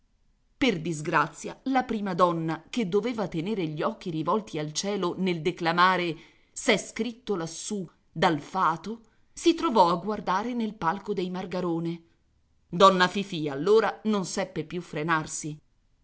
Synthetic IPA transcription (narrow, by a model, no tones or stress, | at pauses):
perd̪izɡɾat̪sːjalapɾiːmad̪ɔnːaked̪ːoveːvat̪eneːɾeʎiɔk̟ːiɾivɔlt̪ialt͡ʃɛːloneld̪eklamaːɾe | sɛskɾit̪ːolasːu | d̪alfaːt̪o | sit̪ɾovɔaɡːward̪aːɾenelpalkod̪ejmarɡaɾoːne | d̪ɔnːafifialːoːɾanonsɛpːepjufːɾenarsi